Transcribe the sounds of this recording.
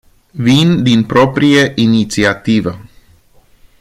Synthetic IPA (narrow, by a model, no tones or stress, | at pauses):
vind̪inpɾo̞pɾijeʔinit̪siat̪ivə